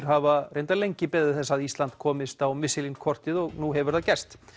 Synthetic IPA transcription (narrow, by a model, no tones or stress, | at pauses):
ɾ̥ɦavarejnt̪alejɲcɪpɛðɪθɛsːaðist̪lant̪kʰɔːmɪst̪awmɪsɪlinkʰɔr̥t̪ɪðɔɣnuɦɛvʏɾ̥θacɛ̥st̪